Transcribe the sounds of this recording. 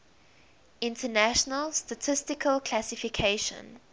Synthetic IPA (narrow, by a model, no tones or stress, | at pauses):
ɪ̃ntʰənæʃənəlstətʰɪstɪkʰəlkʰl̥asɪfikʰeɪʃə̰̃n